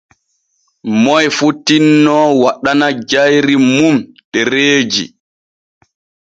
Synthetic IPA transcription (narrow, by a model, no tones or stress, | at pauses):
mɔjfutːinːɔwaɗːanad͡ʒajɾimum | ɗɛɾeːd͡ʒḭ